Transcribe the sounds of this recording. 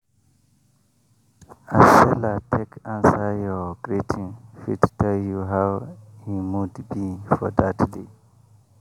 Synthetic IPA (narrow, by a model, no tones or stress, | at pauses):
ʔasɛlatʰekʰãnsajɔɡ̥ɹitʰĩŋfḭttɛljuɦawhimudbifɔ̰d̪atde